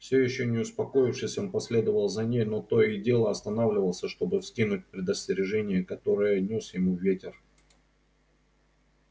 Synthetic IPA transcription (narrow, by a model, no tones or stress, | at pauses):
fsʲɵjɪɕːonʲɪʊspɐko̞jɪfʂɨsʲɪmpɐsʲlʲe̞d̪əvəlˠzɐnʲejno̞t̪o̞ɪdʲe̞lˠəɐst̪ɐnavlʲɪvəlˠsʲəʂt̪o̞bɨfsʲkʲinʊt̚ʲpɾʲɪd̪əsʲtʲɪɾʲɪʐɛnʲɪjəkɐt̪o̞ɾɨjənʲo̞sjɪmuvːʲetʲɪr